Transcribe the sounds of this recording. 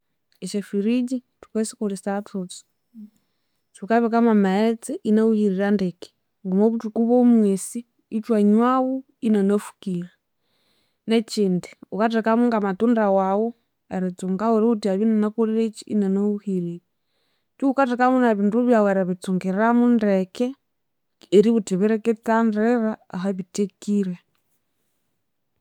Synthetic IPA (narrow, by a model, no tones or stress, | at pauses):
ɛt͡ʃɛfiɾid͡ʒi | tu̥kwɛsi̥kuɾisatut͡si̥ | t͡ʃukaβikamamat͡sɛʔinauhiɾiɾandɛki̥ | ŋɡumoβutukuβomwɛsiː | t͡ʃwaɲwawu | inanofu̥kila | net͡ʃindiukatɛkamuŋɡamatundawawu | eɾit͡suŋɡawuɾeutiaβinanakuɾiɾet͡ʃiḭnanauhilii | t͡ʃuukatekamunaβiːnduβjaweɾaβit͡suŋɡeɾɾamundekeː | ɾiβutiβiɾeket͡sandɾeɾaːɦaβitekiɾe